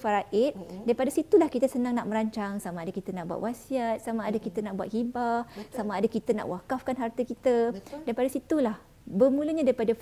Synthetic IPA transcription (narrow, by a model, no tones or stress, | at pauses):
faɾaʔɪt̪̚daɾipadasit̪ulahkit̪asənãŋnaʔ̚mə̃ɾaɲt͡ʃaŋsamãːdakit̪anãʔbua̰ʔ̪wʔasiat̪̚samaːdakit̪anaʔbua̰t̪̚hibasamãːdakit̪ana̰ʔwakafkanɦart̪akit̪ədaɾipadasit̪ulah | bərmũləɲãdaɾipada